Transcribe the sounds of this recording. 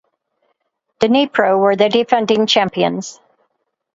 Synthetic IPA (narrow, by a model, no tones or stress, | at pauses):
d̥ɨnipʰɹoʊwə˞ðɨdɨfɛ̃ndɪ̃ŋt͡ʃʰæ̃mpiɨ̰̃nz̥